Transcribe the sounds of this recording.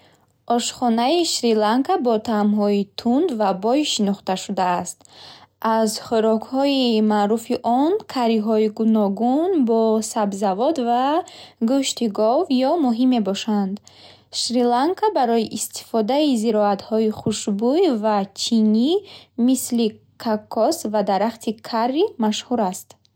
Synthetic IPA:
ʔɔʃχɔnaiʃɾilaŋkabɔt̪ʰamɦɔit̪ʰund̪vabɔjʃinɔχt̪aʃud̪aːst̪ʔazχuɾɔkhɔimaːɾufiʔɔnkʰaɾiɦɔiɡunɔɡunbɔsabzavɔd̪vaɡuʃt̪iɡɔvjɔmuɦime̞bɔʃand̪ | ʃɾilaŋkʰabaɾɔjiʔist̪ʰi̥fɔd̪aiziɾɔat̪hɔiχuʃbujvat͡ʃʰinimisli | kʰakʰːɔsvad̪aɾaχt̪ʰikʰarːimaʃhuɾast̪

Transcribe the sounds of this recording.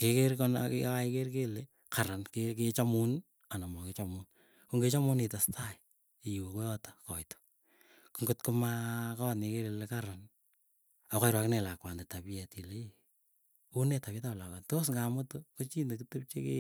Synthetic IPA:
kekeɾkɔnkaikerk̬ele | kaɾankek̬et͡ʃamun | anamɔket͡ʃamʊn | kuŋɡet͡ʃamʊnitastʰai | ijwokojɔtḁkɔjto̥ | kuŋɡʊtkomakaatnekeɾelekaɾan | akajɾwaknɛlakwandetapiɛtile | unetapitaplakwantos̬ŋɡamʊtokot͡ʃindekɨtup̚t͡ʃḛkḛ

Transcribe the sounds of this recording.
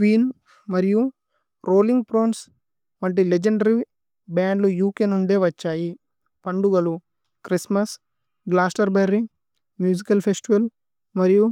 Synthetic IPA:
kʋiːn | mɐɾiju | ɾo̞ːliŋɡ̚pɾoːns | ʋɐɳʈ̬iled͡ʒeɳɖɐɾi | baːɳɖlujuːkeːnuɳɖ̪eːʋɐt͡ʃːaːji | pɐɳɖuɡɐlu | kɾismɐs | ɡlaːsʈɐɾbɐɾːi | mjuːd͡ʒikɐlpʰesʈiʋɐl | mɐɾiju

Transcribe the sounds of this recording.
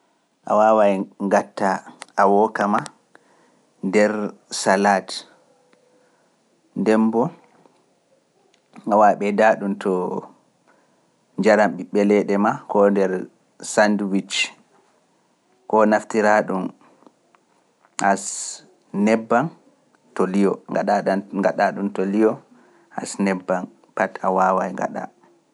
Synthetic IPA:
ʔa̰wawajŋɡatːaʔawɔkama | ndɛɾsalat | ndɛmbɔ | awaɓɛdaɗumtʰɔ | ɲd͡ʒaɾamɓiɓɛlɛɗɛmakɔndɛɾ | sandwit͡ʃ | kɔnaftiɾaɗum | ʔas | nɛbːan | tɔlijɔŋɡaɗaaɡaɗaɗuntɔlijɔ | ha̰snɛbːan | patawawajŋɡa̰ɗa̰

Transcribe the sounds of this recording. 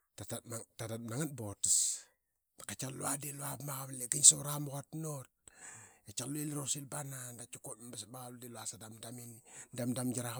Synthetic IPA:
tatatmatatat̚naŋatbots | kat͡ʃalṵadilwamaɣaβleɡiɲsoɾamukatnot̚et͡ʃaloilɾosilbanandat͡ʃukot̚mbisbaɣaludiluasadamdaminidamdamd͡ʒaɾa

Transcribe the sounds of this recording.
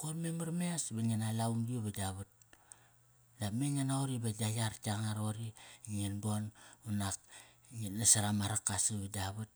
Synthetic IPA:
kormemaɾmeasbaŋenalauŋɡioβadaβut̚ | lameŋenaoɾibadajaɾtaŋaɾoɾiŋenbonunak | ŋenasaɾamaɾakːasaβadaβut̚

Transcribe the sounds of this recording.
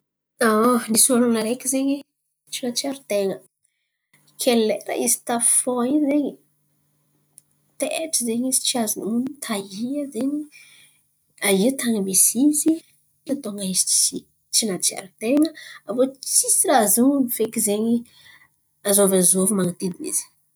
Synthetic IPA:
anisuanunaɾekʲizeɲi | t͡ʃinat͡ʃiaɾut̪eŋə | kʰeleɾa̰ʔizi̥t̪afoaizeɲi | t̪eʈ͡ʂizeɲizit͡ʃiazununit̪ʰaiazeɲi | ait̪ʰaŋəmisizi | at̪oŋaizi̥t͡ʃi | t͡ʃinat͡ʃia̰ɾut̪eŋəavot͡sisiɾazunifekizeɲi | azovazovimaŋat̪id̪inḭz̥i̥

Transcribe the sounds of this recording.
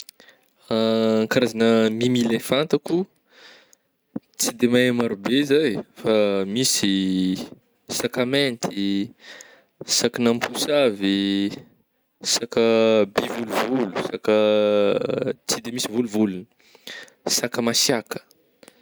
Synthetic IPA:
aːŋkaɾazanəmimilefant̪aku | t͡sid̪emaemaɾubezajfamisi | sakament̪ʰi | sakanampʰusavi | sakəbevuluvulusakə | t͡sid̪emisivuluvuluni̥ | sakəmasjakə̥

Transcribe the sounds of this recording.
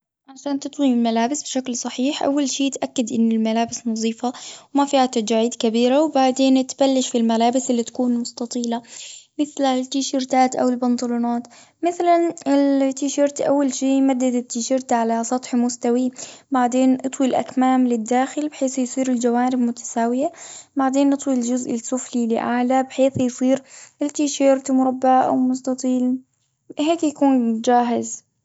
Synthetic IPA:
ʕaʃaːnt̪ɨt̪ˤwimɪlmalaːbɪsbʃaklsˤɑħiːħʔa̰wːalʃiːt̪ʔakːad̪ʔɪnːɪlmalaːbɪsnɑðˤiːfawmafiːhat̪ːad͡ʒaːʕiːd̪kabiːɾawbaʕd̪eːnt̪balːɪʃfilmalaːbɪsɪlːit̪ḁkuːnmʊst̪ɑt̪ˤiːlamɪθlat̪ːiːʃɪɾt̪aːt̪ʔa̰wɪlbɪnd̪ˤɑluːnaːt̪ | mɪθlanɪlt̪ːiːʃiɾt̪ʔa̰wːalʃiːmad̪ːat̪ːiːʃɪɾt̪ʕalasˤɑt̪ˤħmʊst̪awibaʕd̪eːnʔɨt̪ˤwilʔa̰kmaːmlɪd̪ːaːxɪlbħeːθjsˤiːɾɪld͡ʒawaːnɪbmʊt̪ḁsaːwɪjabaʕd̪eːnʔɨt̪ˤwild͡ʒʊzʔɪsˤʊflilɪʔaʕlabħeːθjsˤiːɾʔɪlt̪ːiːʃɑːɾt̪mʊɾˤɑbːaʔa̰wmʊst̪ɑt̪ˤiːl | ɦeːkjakuːnd͡ʒaːɦɪz

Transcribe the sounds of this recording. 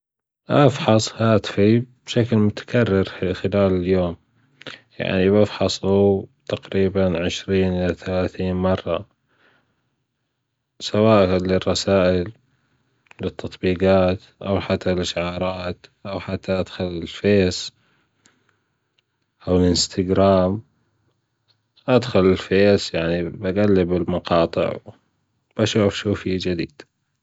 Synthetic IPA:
ʔafħɑsˤhaːt̪fib̥ʃaklmʊt̪ḁkʰarːɪɾxɪlaːlɪljoːm | ja̰ʕnibɪfħɑsˤut̪aqɾiːbanʕɪʃɾiːnʔɪlaθalaːθiːnmɑrˤːɑ̰ | sawaːʔlɪrˤːɑsaːʔɪl | lɪt̪ʰːɑt̪ˤbiːɡɑːt̪ʔa̰wħat̪ːalʔɪʃʕɑːɾˤɑːt̪ʔawħat̪ːaʔad̪̥xʊlɪlfeːs | ʔawɪlʔɪnst̪ʰaɡɾaːm | ʔad̪xʊlɪlfeːsjaʕnibaɡalːɪbɪlmɑqɑːt̪ˤɨ̰ʕ | b̥aʃufʃuːfid͡ʒɪd̪ḭːd̪̥

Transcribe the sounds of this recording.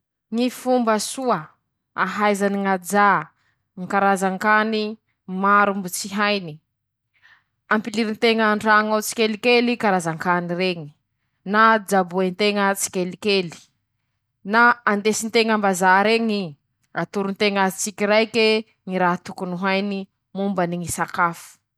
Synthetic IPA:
ŋifumbəsuə | aɦajzaniŋad͡za | ŋikaɾazaŋkani | maɾumbut͡siɦajni | ampiliɾint̪eŋəɳɖ͡ʐaŋawt͡si̥kʲelikelikaɾazaŋkanireŋi̥ | nad͡zabuent̪eŋət͡si̥kʲelikeli̥ | naand̪esint̪eŋambazaɾeŋi | at̪uɾunt̪eŋat͡sikiɾajke | ŋiɾaɦt̪ukunuɦajni | mumbaniŋisakafu̥

